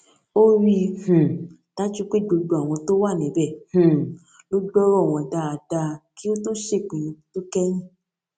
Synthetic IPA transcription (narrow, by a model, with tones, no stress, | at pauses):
o˦ɾi˦h̩˨ | ta˦d͡ʒu˦k͡pe˦˨ɡ͡bo˧ɡ͡bo˨˧a˨w̃ɔ̃˧to˦wa˦˨nĩ˨˦bɛ˦˨hũ˨ | lo˦ɡ͡bɔ˦ɾɔ˦˨w̃ɔ̃˧da˨˧a˨da˧ki˦o˦to˦ʃe˦˨k͡pĩ˨ĩ˧˦to˦kɛ˦ñĩ˦˨